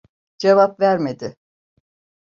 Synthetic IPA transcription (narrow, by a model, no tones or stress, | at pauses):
d͡ʒevapvæɾmed̪ɪ